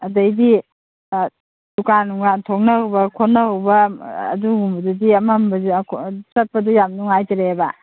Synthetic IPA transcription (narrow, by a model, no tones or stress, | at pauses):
ɐdɐjdi | dukanːuŋatʰok̚nɐhɯwbɐkʰonːɐhɯwbɐ̰ːduɡumbɐdudiɐmambksɐt̚pɐdujamnuŋajtaɾeba